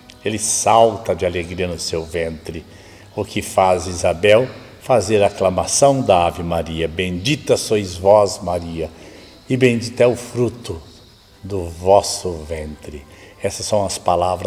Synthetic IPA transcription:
elɪsawt̪ɐd͡ʒɪaleɡɾiɐnʊsewvẽnt̪ɾɪ | ʊkɪfazizabɛw | fazeɾɐaːklɐmasɐ̃w̃d̪ɐavimaɾiɐbẽd͡ʒit̪ɐsojzvɔzmaɾiɐ | ɪbẽd͡ʒit̪ɛʊfɾut̪ʊ | d̪ʊvɔsʊvẽnt̪ɾɪ | ɛsɐsːɐ̃w̃ɐspalavɾɐ

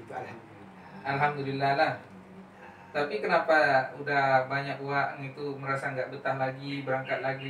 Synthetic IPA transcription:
t̪ualhamd | ʔalɦamd̪ulilːahlah | t̪apikənapaudahbaɲak̚uaʔŋit̪umə̃ɾasaəŋɡaʔbət̪aŋlaɡibəɾaŋkat̪̚laɡi

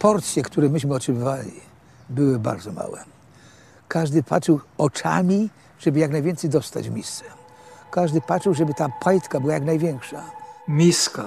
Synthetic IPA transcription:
pɔɾt̪sʲjɛkt̪uɾɛmɘɕmɘɔt͡ʂɘbɘvalʲḭ | bɘwɘba̰ɾd̪zɔma̰wɛ̰ | kʰaʐd̪ɘpʰa̰t͡ʂɘwɔt͡ʂa̰mʲi | ʐ̥ɛbɘjaknajvʲjɛnt̪sɛjd̪ɔst̪a̰d͡ʑmʲist̪sɛ̥ | kaʐd̪ɘpat͡ʂɘwʐɛbɘt̪apʰajt̪kabɘwajaknajvʲjɛŋkʂamʲiska

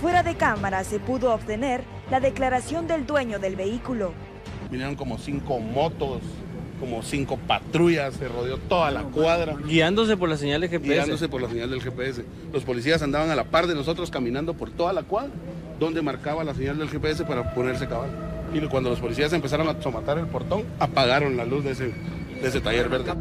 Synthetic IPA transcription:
fwe̞ɾaðe̞kamaɾase̞puðo̞ːbt̪e̞ne̞ɾ | laðe̞klaɾasjo̞nd̪e̞ld̪we̞ɲo̞ðe̞lβe̞ikulo̞ | binjeɾoŋko̞mosiŋkomo̞t̪o̞s | komosiŋko̞pat̪ɾuʝasːeroðjo̞t̪o̞ðalakwaðɾaɡiand̪o̞s̬e̞poɾlas̬eɲald̪exepeand̪os̬epoɾlaseɲald̪elxepees̬e̞ | lo̞spo̞lis̬ias̬and̪aβaŋalapaɾdeno̞s̬o̞t̪ɾoskamĩnãnd̪o̞po̞ɾt̪o̞ðalakwaðɾa | d̪o̞nd̪e̞maɾkaβalase̞ɲald̪elxepees̬epaɾapo̞ne̞ɾs̬ekaβaʎoikwand̪olospo̞lisias̬e̞mpesaɾo̞ŋasomat̪aɾe̞lpo̞ɾt̪o̞ŋapaɣaɾo̞nlaluzðese | d̪ees̬et̪aʝe̞ɾβeɾðe

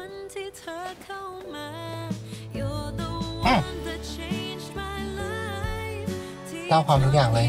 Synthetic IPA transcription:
ntʰitʰəkʰəmə | jɔdoʔaət͡ʃʰend͡ʒmaɪla | taːkʰwaːmt̪ʰuːk̚jaːŋlɤː

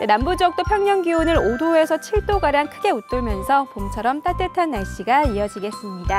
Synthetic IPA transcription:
denambud͡ʑʌk̚t͈opʰjʌŋɲʌŋɡionɯɾodoe̞sʰʌt͡ɕʰiɭt͈oɡaɾjaŋkʰɯɡe̞ut͈ɯɭmjʌnsʰʌpomt͡ɕʰʌɾʌmt͈at͈etʰanːaɭɕ͈iɡaiʌd͡ʑiɡe̞s͈ɯmɲida

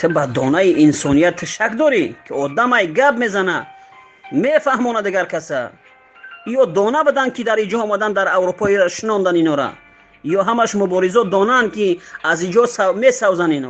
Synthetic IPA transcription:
t̪ʰɨbad̪ɔ̰naiʔinsɔnijat̪ʰːəʃakd̪ɔɾikʰiɔd̪amajɡabme̞zana | mefahmɔnad̪iɡaɾkʰasa̰ | ijɔd̪ɔnabəd̪ankʰid̪aɾid͡ʒɔɔmad̪and̪aɾawɾupʰɔiɾaʃinɔnd̪aninɔɾa̰ | jɔɦamaʃmubɔɾizɔd̪ɔnankʰiazid͡ʒɔsamesawzaninɔ

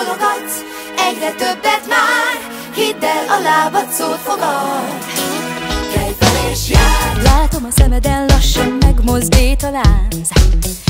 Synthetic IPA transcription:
loɡɒt̪ | ɛɟrɛt̪ø̞bːɛt̪maːr | hid̪ːɛlɒlaːvɒt̪soːfo̞ɡɒl | kɛjvɛɾeʃjalaːt̪o̞mɒsɛmɛd̪ɛnlɒʃːɒnmɛɡmo̞zd̪eːt̪ɒlaːnz

